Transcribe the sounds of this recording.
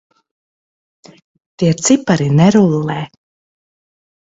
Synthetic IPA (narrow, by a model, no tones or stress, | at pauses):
t̪iɛt̪sipaɾinɛɾulˠːɛː